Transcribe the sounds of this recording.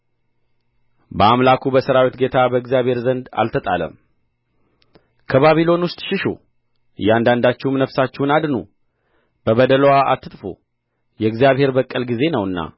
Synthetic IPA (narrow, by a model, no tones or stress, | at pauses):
bəamlakʰubəsəɾawit̪ɡet̪ʰabəɨɡzjaβhe̞ɾzənd̪a̰lt̪ʰət̪ʼalə̰m | kʰəβaβilo̞nwʊst̪ʼʃɪʃṵ | ɨjːɛand̪and̪at͡ʃːɛhmnəfsat͡ʃːɛhnad̪nṵ | b̥əβəd̪ələwaa̰t̪ʰːɨt̪ʼfo̰ | jɛɡzijaβhe̞ɾbəkʼːəlɡize̞nəwɨnːa̰